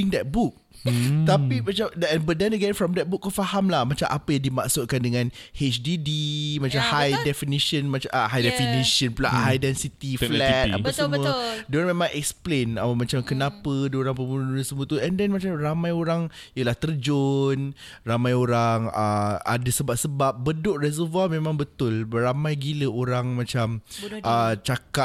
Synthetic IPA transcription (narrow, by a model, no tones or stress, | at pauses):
iŋdɛt̪̚buk̚t̪apimat͡ʃamɛnbədɛnəɡɛ̃nfɾɔmdɛt̪̚buk̚ːɔfahamlahmat͡ʃamʔapəjaŋdimaʔsʊt̪̚kandəŋãnhet͡ʃdidimãt͡ʃamhajdɛfiniʃənmat͡ʃaʔɦajdɛfiniʃə̃npla̰ʔhajdɛnsit̪ifflɛt̪̚a̰pəsəmũadoɾaŋmẽmãŋʔɛk̚splenamãt͡ʃamkənãpədəoɾaŋpəmunnunəsəmũət̪uɛndɛnmat͡ʃamramãjoɾaŋjəlaht̪ərd͡ʒon | ramãjoɾaŋəa̰dəsəbap̚səbap̚bədʊʔrɛzəvamẽmãŋbət̪ʊlramãjɡiləoɾaŋmãt͡ʃamʔət͡ʃaka